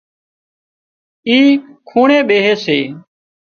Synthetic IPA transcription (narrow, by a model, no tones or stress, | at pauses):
iːkʰuːɳẽːɓeːɦeːseː